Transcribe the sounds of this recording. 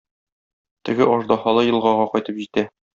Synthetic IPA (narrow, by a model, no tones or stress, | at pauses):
t̪ɘ̆ɡɘʔɒʒd̪ɒhɑlˠɤjɤ̆lˠʁɑʁɑqɒjt̪ɤpʑit̪æ